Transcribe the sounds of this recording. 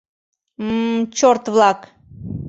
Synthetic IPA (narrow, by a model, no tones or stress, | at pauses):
mt͡ɕort̪vlˠɑk